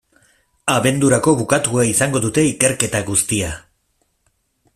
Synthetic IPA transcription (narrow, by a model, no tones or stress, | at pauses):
aβe̞nd̪uɾako̞βukat̪uaisaŋɡo̞ðut̪e̞ike̞ɾke̞t̪aɣust̪ia